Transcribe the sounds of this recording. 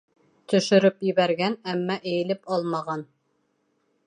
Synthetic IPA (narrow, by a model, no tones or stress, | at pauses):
t̪ɵ̆ʃɵ̆ɾɵpjɘ̆βæɾɡænæmːæʔɘ̆jɘ̆lɘpɑlˠmɑʁɑn